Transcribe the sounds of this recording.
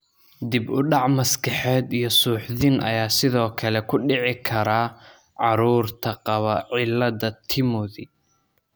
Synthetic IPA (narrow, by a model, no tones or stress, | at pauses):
d̪ɪbʊɖɑʕmɐskʰɐħɛːd̪ijɞsuːħðɪnʔɐ̰jaːsɪðɔːkʰɐlɛkʰʊɖɪʕɪkʰɐɾaː | ʕɑɾuːrt̪ʰɐqɑβɐʕɪlːɐðɐt̪ʰɪmʊðɪ